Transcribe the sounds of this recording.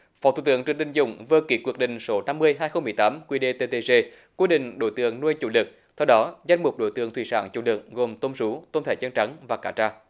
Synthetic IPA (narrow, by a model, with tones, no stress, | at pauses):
fɔ˨˦t̪ʰu˧˨˩t̪ɨ̰˧˦əŋt͡ɕɨ̈˨˩ŋ̚ɗï˨˩ŋ̟zʊ̰˧˨˩ŋ͡mvəː˧ki˨˩kwi˧˩ək̚ɗḭ̈˧˨ŋ̟so˨˦na˧mːɨ˧əjɦaː˧jxə˧wŋ͡mmɨ˨əjt̪aː˨˦mkwi˧ɗe˧t̪e˧t̪e˧ze˧ | kwi˦ɗḭ̈˧˨ŋ̟ɗo̰˧˩jt̪ɨ̰˧˨əŋnu˧əjt͡ɕṵ˧˩lɨ˨˩k̚ | t̪ʰɛ˧wɗɔ˨˦za˧jŋ̟mʊ˨˩k͡p̚ɗo̰˧˦jt̪ɨ̰˧˨əŋt̪ʰi˧˨˩saː˧˩nt͡ɕṵ˧˩lɨ˨˩k̚ɣo˨˩mt̪o˧msu˨˦t̪o˧nt̪ʰe˧˩t͡ɕə˧nt͡ɕa˨˦ŋvaː˨˩kaː˧˩t͡ɕaː˧